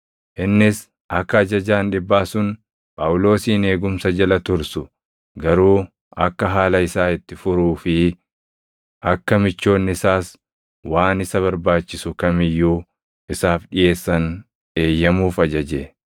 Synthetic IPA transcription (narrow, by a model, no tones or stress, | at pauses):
ʔɪnːɪs | ʔɐkːɐːd͡ʒɐd͡ʒaːnᶑɪbːaːsʊn | pʼaʔʊlo̞ːsiːne̞ːɡʊmsɐd͡ʒɐlɐt̪ʊɾsʊ | ɡɐɾuː | ʔɐ̰kːɐɦaːlɐɪsaːɪt̪ːɪfʊɾuːfɪ | ʔɐkːɐmɪt͡ʃːo̞ːnːɪsaːs | waːnɪsɐβɐɾbaːt͡ʃːɪsʊkɐmɪjːuː | ɪsaːfᶑɪje̞ːsːɐn | ʔe̞ːjːɐmuːfɐd͡ʒɐd͡ʒeː